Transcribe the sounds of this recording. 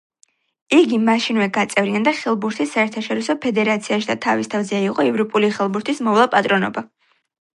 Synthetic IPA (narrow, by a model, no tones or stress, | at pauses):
iɡimaʃinvɛɡat̪sʼɛvɾiand̪aχɛlˠbuɾt̪ʰisːaɛɾt̪ʰaʃɔɾisɔpʰɛd̪ɛɾat̪sʰiaʃid̪at̪ʰavist̪ʰavzɛiqʼɔɛvɾɔpʼuliχɛlˠbuɾt̪ʰismɔvlˠapʼat̪ʼɾɔnɔ̰ba